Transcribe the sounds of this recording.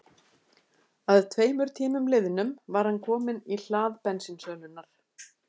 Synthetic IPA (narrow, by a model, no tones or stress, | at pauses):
aðt̪ʰveːjmʏɾ̥t̪ʰiːmʏmlɪðɪnʏmvaɾ̥hankʰɔːmɪnil̥aːðpɛnsɪnsœːɣnʏnːaɾ̥